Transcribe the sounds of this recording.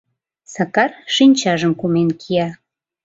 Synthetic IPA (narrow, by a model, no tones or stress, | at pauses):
sɑkɑrʃinʲt͡ɕɑʒəmkumenkʰijɑ